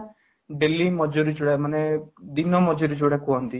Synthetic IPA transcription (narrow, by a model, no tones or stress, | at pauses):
ɖelimɔd͡ʒɔɾid͡ʒoɽamaned̪inɔmɔd͡ʒɔɾid͡ʒoɽakuɦɔnt̪i